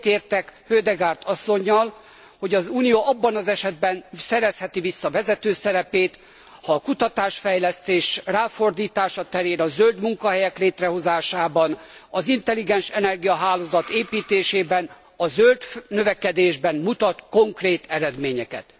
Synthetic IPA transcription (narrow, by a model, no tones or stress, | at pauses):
t̪eːrt̪ɛkhøːd̪ɛɡaːrt̪ɒsːo̞ɲːɒl | ho̞ɟɒzuːnijoːʔɒbːɒnɒzɛʃɛd̪̚bɛnsɛɾɛshɛt̪ivisːɒvɛzɛt̪øːsɛɾɛpeːt̪ | hɒːkut̪ɒt̪aːʃfɛjlɛst̪eːʃraːfo̞rd̪iːt̪aːʃɒt̪ɛɾeːnɒzøld̪muŋkɒɦɛjɛkleːt̪rɛɦo̞zaːʃaːbɒnɒzint̪ɛliɡɛnʃɛnɛrɡijɒɦaːloːzɒt̪eːpiːt̪eːʃeːbɛn | ɒzøld̪nøvɛkɛd̪eːʒbɛnmut̪ɒt̪ko̞ŋkreːt̪ɛɾɛd̪meːɲɛkɛ̰t̪